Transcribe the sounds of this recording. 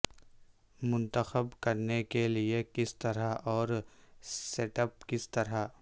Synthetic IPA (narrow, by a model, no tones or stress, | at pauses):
mʊ̃nt̪əxəbkɐɾnekeliekɪst̪ɐɾaʔɔːɾ | seːʈəp̚kɪst̪ɐɾa